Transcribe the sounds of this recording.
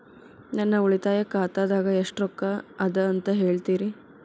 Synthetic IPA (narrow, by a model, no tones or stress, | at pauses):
nɐnːɐuɭit̪aːjɐkaːt̪aːd̪aːɡɐeʂʈɾɔkːɐɐd̪ɐɐnt̪ɐɦe̞ːɭt̪iːɾi